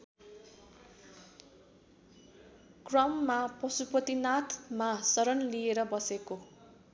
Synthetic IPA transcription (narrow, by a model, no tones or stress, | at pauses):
krʌmːapʌsupʌt̪inat̪ʰmasʌɾʌnlieɾʌbʌseko